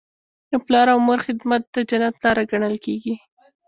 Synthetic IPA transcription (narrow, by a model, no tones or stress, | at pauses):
əplɑɾawmoɾxɪd̪mat̪̚d̪̥əd͡ʒanat̪lɑɾaɡaɳəlkeɡi